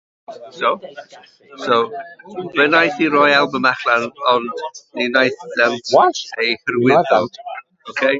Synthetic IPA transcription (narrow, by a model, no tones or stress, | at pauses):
sow | sowvənajθiɾɔjalˠbəmaχlanɔndninajθðɛmwaejhərwɪðɔlˠd̥ | okʰej